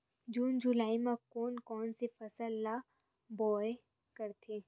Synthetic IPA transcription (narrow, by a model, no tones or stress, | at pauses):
d͡ʒuːnd͡ʒulaːimẽkoːnkɔːnsefɐsəlːa | bɔːe | kɐɾt̪ʰeː